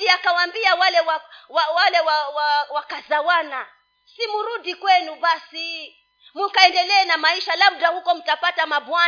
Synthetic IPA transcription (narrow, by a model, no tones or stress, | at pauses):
iakawambiawalɛwawawalɛwawawakazawana | simuɾudikwɛnubasi | mukaɛndɛlɛːnamaiʃalab̚dahukɔm̩tapatamabwa